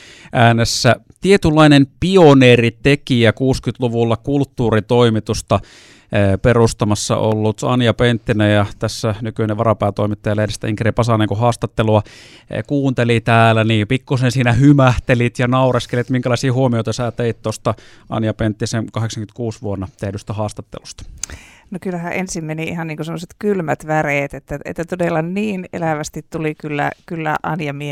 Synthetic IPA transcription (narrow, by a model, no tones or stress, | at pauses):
ʔæːnesːæ | t̪iet̪ylːɑinempioneːrit̪ekiækuːskyt̪luʋulːɑkult̪ːuːrit̪oimit̪ust̪ɑ | perust̪ɑmɑsːɑ̰ʔolːut̪ɑ̰njɑpent̪ːinæjɑt̪æsːænykyineʋɑɾɑpæːt̪oimit̪ːɑjɑlehedest̪æ̰iŋkeripɑsɑneŋkuhɑːst̪ɑt̪ːeluɑ̰ | kuːnt̪elit̪æːlæniːpikːusensiːnæhymæht̪elit̪jɑnɑurɑskelit̪miŋkælɑˑisiːhuomijoit̪ɑsæːt̪eit̪t̪ost̪ɑ | ʔɑ̰njɑpent̪ːisenkɑheksɑŋkymnt̪̚kuːsʋuonːɑt̪ehdyst̪æhɑːst̪ɑt̪ːḛlust̪ɑ̥nokylːæhæʔensimmeniihɑnniːkosemːoset̪kylmæt̪ʋæreːt̪et̪ːæḛt̪ːæt̪odelːɑnniːnḛlæʋæst̪it̪t̪ulikylːæ̰kylːæ̰ʔɑnjɑmie